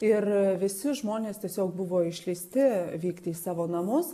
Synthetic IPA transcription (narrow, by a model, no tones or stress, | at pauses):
ɪrʋʲɪsʲɪʒmoːnʲeːst̪ʲiɛsʲoːk̚bʊʋoːɪʃʲlʲiːsʲt̪ʲɪʋʲiːkt̪ʲɪːsɑːʋoːnɐmʊs